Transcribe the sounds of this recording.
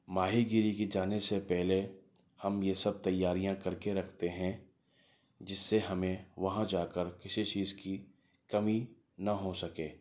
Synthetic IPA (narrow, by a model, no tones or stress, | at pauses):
maːɦiɡɪɾikid͡ʒaːnesepɛɦle | hɐmjesɐb̚t̪ɐjːaːɾijãkɐɾkeɾɐkʰt̪eɦɛ̃ | d͡ʒɪsːeɦɐmẽʋɐɦãd͡ʒaːkəɾkɪsit͡ʃiːzki | kɐmi | nɐɦosɐkeː